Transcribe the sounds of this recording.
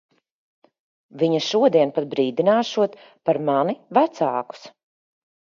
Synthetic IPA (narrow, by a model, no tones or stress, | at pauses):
viɲɐʃuɔd̪iɛnpat̪̚bɾiːd̪inaːʃuɔt̪ | paɾmanivæt̪saːku̥s